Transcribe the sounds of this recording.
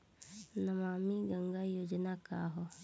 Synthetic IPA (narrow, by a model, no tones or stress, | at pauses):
nɐmaːmiɡɐŋɡajoːd͡ʒənaka̰ːɦɔ